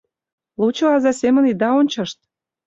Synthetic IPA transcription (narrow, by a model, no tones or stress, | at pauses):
lut͡ɕɤ̆ɑzɑsemə̆nid̪ɑonʲt͡ɕɤ̆ʃt̪̚